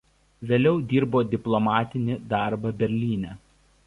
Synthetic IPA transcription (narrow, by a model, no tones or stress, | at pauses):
ʋʲeːlʲɛʊd̪ʲiːɾboːd̪ʲɪplˠɔmɑːt̪ʲɪnʲɪd̪ɑˑɾbɐbʲɛɾʲlʲiːnʲɛː